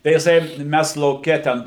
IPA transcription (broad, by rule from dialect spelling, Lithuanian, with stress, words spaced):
tɐɪ jɪˈsɐɪ ˈmʲæs lˠɐʊˈkʲɛ ˈtʲɛn